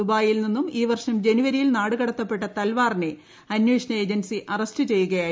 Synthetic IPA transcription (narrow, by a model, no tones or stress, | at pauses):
ubaːjilninːumiːʋɐrʂɐmd͡ʑe̞nuʋɐɾijilnaːɽɨkɐɽɐt̪ːɐpːe̞ʈːɐt̪ɐlʋaːrne | ɐnjuːʂɐnɐe̞ːd͡ʑɐnsiʔɐrɐstɨt͡ɕe̞jːuɣɐjaː